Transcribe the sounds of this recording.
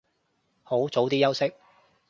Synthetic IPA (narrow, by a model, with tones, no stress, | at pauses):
ho˨˥wt͡so˨˥wt̪iː˥jɐ˥wsɪ˥k̚